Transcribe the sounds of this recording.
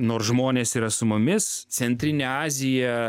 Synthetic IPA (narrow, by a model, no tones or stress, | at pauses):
noːɾsʒmoːnʲeːsiːɾɐsʊmʊmʲɪs | t͡s̪ʲɛnʲt̪ʲɾʲɪnʲeɑːzʲɪjɛ